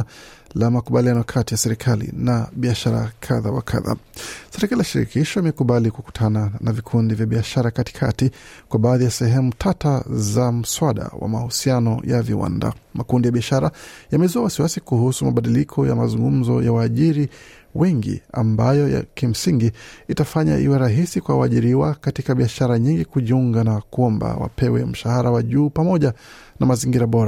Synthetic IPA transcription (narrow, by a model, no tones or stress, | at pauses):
lamakuɓalianɔakʰatijasɛɾikʰalḭnaɓiaʃaɾa̰kʰaðawa̰kʰa̰ða̰sɛɾɛkaliaʃiɾḭkʰiʃɔimɛkuɓalikuku̥tʰananavikʰundivjaɓiaʃaɾakati̥kʰatikwaɓaːðijasɛɦɛmutʰatazam̩swaɗa̰wa̰mahusianɔjavḭwa̰nda̰makundijaɓiaʃaɾajamɛzuawasiwasikuhusumaɓaɗilikʰɔja̰mazuŋɡum̩zɔ̰jawaːʄiɾi | wɛŋɡḭa̰mbajɔja̰kim̩siŋɡiitafaɲa̰ʔiwɛɾaɦisikwawaːʄiɾiwakatikaɓiaʃaɾaɲiŋɡikuʄiuŋɡanakuɔmba̰wa̰pɛwɛ̰m̩ʃahaɾawaʄuːpamɔʄa | namaziŋɡiɾaɓɔɾa